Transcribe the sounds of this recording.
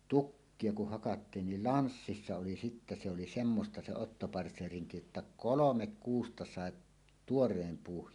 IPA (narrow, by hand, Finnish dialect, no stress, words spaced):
tukːie kuh hɑkɑtːiːn nil lɑnsːisːɑ oli sitːæ se oli semːostɑ se otːopɑrtseːriŋki jotːɑ kolomek kuːstɑ sɑˑʔ tuorˑeːm puːh